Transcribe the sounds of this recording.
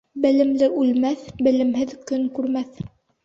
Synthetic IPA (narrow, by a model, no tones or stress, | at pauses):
bɘ̆lɘ̆mlɘʔʉlmæθbɘ̆lɘ̆mɦɘðkɵŋkʉɾmæθ